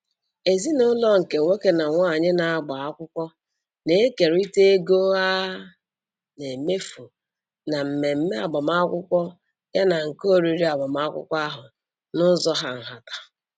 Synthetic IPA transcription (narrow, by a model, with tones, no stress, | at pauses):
e˨zi˦nʊ˦lɔ˦ŋ̩˨ke˨ŋʷe˦ke˦na˨ŋʷa˦˨ɲɪ˦na˨a˦ɡ͡ba˨a˦kʷʊ˦kʷɔ˦ | ne˦e˦ke˨ɾi˦te˦e˦ɡo˦a˦ | ne˨me˦fu˨ | na˨m̩˨me˨m̩˦me˦a˨ɡ͡bɔ˨ma˦kʷʊ˦kʷɔ˦ | ja˦na˨ŋ̩˨ko˦˨ɾi˨ɾi˦a˨ɡ͡bɔ˨ma˦kʷʊ̰˦kʷɔ˦a˦ɦʊ˨ | nʊ˦zɔ˦ɦa˨ŋ̩˨ɦa˨tḁ˨